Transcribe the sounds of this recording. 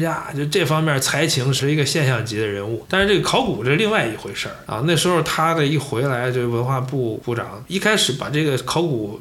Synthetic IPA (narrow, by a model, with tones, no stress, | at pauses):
ja˥˧t͡ɕjo˥˧ʂʈ͡ʂɤ˥˩fɑ˥ŋmjɛ˥˩t͡sʰa˧˥ɪt͡ɕʰi˧˥ŋʂɻ̩˧˥i˧˥ɡə˧ɕjɛ˥˧nɕjɑ˥˩ŋt͡ɕi˧˥d̪ə˧ɻə˧˥nu˥˩t̪a˥˧nɻʈ͡ʂɤ˥˩ɡə˩kʰɑ˧˥ʊku˨˩ʈ͡ʂɤ˥˧˩li˥˧ŋwa˥˩ɪi˧˩xwe˧˥ɪʂə̰˞˥˩ɐ̰˧na˥˩ɪʂɻ̩˧˥xo˧ʊt̪ʰa˥d̪ə˨i˥˩xwe˧˥ɪla˧˥ɪt͡ɕjo˥˧ʂ̩˥˩wə˧˥nxwa˥˧pu˥˧pu˥˩ʈ͡ʂɑ̰˨˩˦ŋi˥˧kʰa˥ɪʂɻ̩˧˥pa̰˨˩ʈ͡ʂɤ˥˩ɡə˩kʰɑ˧˥ʊku˨˩˦